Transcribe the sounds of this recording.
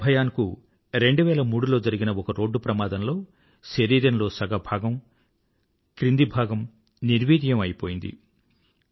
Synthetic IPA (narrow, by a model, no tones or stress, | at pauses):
bʱɐjaːniku | ɾe̞ɳɖuʋɛːlɐmuːɽulo̞ːd͡ʒɐɾiɡinɐɔkɐɾo̞ːɖːupɾɐmaːd̪ɐnlo̞ː | ʃeɾiːɾɐnlo̞ːsɐɡɐbʱaːɡɐm | kɾind̪ibʱaːɡɐm | niɾʋiːd̪ijɐmɐjipo̞ːjind̪ḭ